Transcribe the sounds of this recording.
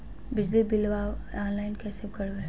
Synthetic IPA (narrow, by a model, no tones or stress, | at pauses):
bɪd͡ʒlibɪlʋaːaːnlaːɪnkɛːsebkɐɾbe